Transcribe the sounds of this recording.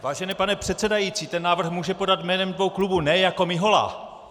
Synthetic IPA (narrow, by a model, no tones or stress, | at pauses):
vaːʒɛnɛpanɛpr̝̥ɛt̪t͡sɛdajit͡siːt̪ɛnːaːvr̩xmuːʒɛpo̞dat̪mɛːnɛmdvo̞wklubunɛjako̞mɪɦo̞la̰ː